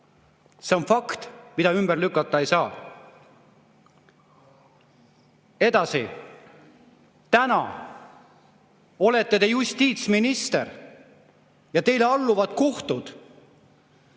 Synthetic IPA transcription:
se̞o̞nfɑkt̪mid̪̥ɑymb̥erlykːˑɑt̪ːˑɑejsɑː | e̞d̪̥ɑsi | t̪ænɑ̰ | o̞le̞t̪ːe̞t̪e̞just̪ʲiːt̪sminist̪e̞r | jɑt̪e̞jle̞ɑlːuvɑt̪ko̞ht̪ud̪̥

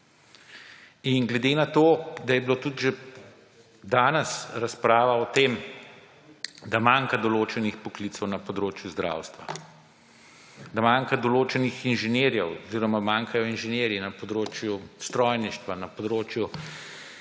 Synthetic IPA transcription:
inɡlɛd̪enat̪oːd̪ajɛbilot̪ut̪ʒe | d̪aːnɛsɾaspɾaːʋaɔt̪eːm | d̪amaŋkad̪ɔloːt͡ʃɛnixpɔkliːt̪sɔwnɐpɔd̪ɾoːt͡ʃjuzd̪ɾa̰ːwst̪ʋa̰ | d̪amaŋkad̪ɔloːt͡ʃɛnixinʒɛnjeːɾjɛwɔziːɾɔmamaːŋkajɔinʒɛnjeːɾjinɐpɔd̪ɾoːt͡ʃjust̪ɾɔjniʃt̪ʋanɐpɔd̪ɾoːt͡ʃju

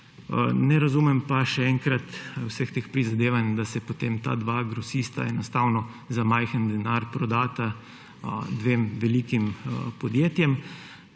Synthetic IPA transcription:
nɛɾazumɛmpaʃɛɛŋkɾat̪wsəxt̪expɾizad̪eːʋand̪asɛpot̪emt̪a̰d̪ʋaɡɾɔsist̪a̰ɛnɔst̪aːwnɔ | zamajxənd̪ɛnaɾpɾɔd̪aːt̪a | d̪ʋeːmʋɛliːkimpɔd̪jeːt̪jɛm

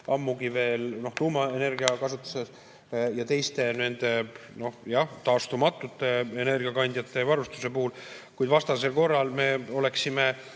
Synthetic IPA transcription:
ʔɑmːuɡive̞ːlno̞ht̪uːmɑe̞ne̞rɡiɑkɑsut̪ːˑu̥ses | jɑt̪e̞jst̪e̞ne̞nd̪̥e̞no̞jɑht̪ɑːst̪umɑt̪ːˑut̪ːˑe̞ene̞rɡ̥iɑkɑnʲd̪̥ʲjɑt̪ːˑe̞vɑɾust̪u̥se̞puhulkujd̪vɑst̪ɑse̞lko̞rːɑlme̞o̞le̞ksime̞

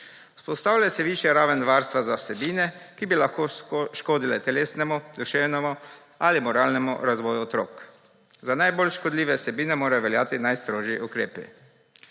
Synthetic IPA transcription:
u̥spɔst̪aːwlasɛʋiːʃjɛɾaːʋənʋaɾst̪ʋazasɛbiːnɛkibilaxkoːʃkoːd̪ilɛt̪ɛleːsnɛmud̪uʃeːwnɛmu | alimɔɾaːlnɛmṵɾazʋɔːjuɔt̪ɾo̰ːk | zanajbolʃkɔd̪liːʋɛsɛbiːnɛmoːɾajɔʋɛljaːt̪inajst̪ɾoːʒjiʔukɾeːpḭ

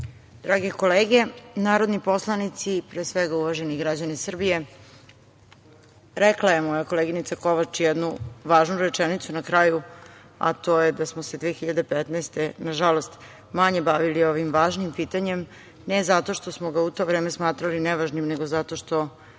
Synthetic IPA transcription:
d̪̥ɾaːɡeko̞leːɡe̞naːɾo̞d̪nipo̞slˠanit̪sipɾeːsʋeɡauʋaʒeniɡɾad͡ʑanisr̩bije̞ | ɾɛklaje̞mojako̞leɡinit̪sako̞ʋat͡ʃjɛd̪nuʋaːʒnuɾet͡ʃɛnit̪sunakɾaːju | a̰t̪o̞jed̪asmosed̪ʋeːxiʎad̪e̞pet̪naɛst̪enaʒalost̪ | maɲe̞baʋilio̞ʋimʋaːʒnimpiːt̪aɲe̞m | nezat̪o̞ʃt̪osmoɡaut̪o̞ːʋɾeːmesmaːt̪ɾalinɛʋaʒnimneɡo̞zat̪o̞ʃt̪o̞

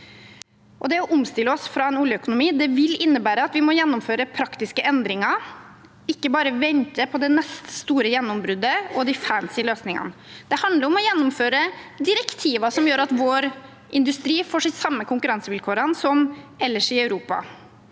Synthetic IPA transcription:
ʔɔd̪ɛɔʔʊmst̪ɪlːəɔsfɾɑːɛnuːljəœkʊnʊmiːd̪ɛʋɪlɪnːəbæːɾəɑt̪ʋɪmɔjɛnːʊmføːɾəpʰɾɑkt̪ɪskəʔɛnd̪ɾɪŋɑ | ɪkːəbɑːɾəʋɛnt̪əpʰɔd̪ɛnɛst̪st̪uːɾəjɛnːʊmbɾʉd̪ːəɔd̪ɪfæːnsɪløːsnɪŋə̰nəd̪̥ɛhɑnd̪ləɾɔmɔjɛnːʊmføːɾəd̪ɪɾɛkt̪ʰiːʋɑʂɔmjøːɾɑt̪ʋoːɾ | ʔɪnd̪ʉst̪ɾiːfoːʂɪsɑmːəkʰʊŋkʉɾɑnsəʋɪlkʰoːɾənsɔmɛlːəʂɪɑʉɾuːpɑ̰

